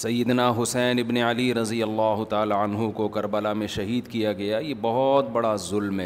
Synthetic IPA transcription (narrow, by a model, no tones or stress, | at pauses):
sɐjːɪd̪naɦʊsɛːnɪbneɐliɾɐzijɐlːaːɦʊt̪aːlaɐnɦukokɐɾbəlamẽʃɐɦiːd̪kijaɡɐjajebɐɦɔt̪̚bɐɽazʊlmɦɛː